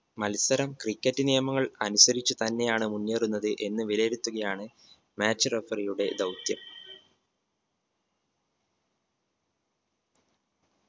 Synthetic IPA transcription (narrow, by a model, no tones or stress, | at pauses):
mɐlsɐɾɐmkrikʲːɐtːɨnijɐmɐŋːɐɭɐnusɐɾit͡ɕːut̪ɐnːe̞jaːɳɨmunːeːrunːɐðɨʔe̞nːɨʋileːɾut̪ːuɣɐjaːɳɨ | maːt͡ɕːɨrefɐrijuɽe̞d̪ɐwt̪jɐm